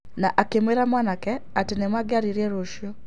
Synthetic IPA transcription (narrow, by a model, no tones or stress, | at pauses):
naʔakemweɾamwanakɛatenemwaɡeaɾiɾiɛɾoʃjɔ